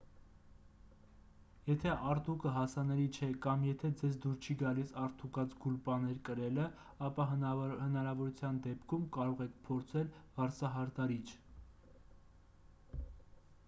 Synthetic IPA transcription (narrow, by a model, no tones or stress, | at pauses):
jɛt̪ʰɛʔɑɾt̪ukəɦɑsɑnɛlit͡ʃʰɛkɑmjɛt̪ʰɛd͡zɛzd̪uɾt͡ʃʰiɡɑlisɑɾt̪ʰukɑt͡sɡulpɑnɛɾkəɾɛlə | ɑpɑɦhənɑɾɑvɔɾut͡sʰjɑnd̪ɛpkʰumkɑɾɔʁɛk̚ʰpʰɔɾt͡sʰɛlv̥ɑɾt͡sʰɑɦɑɾt̪ɑɾit͡ʃʰ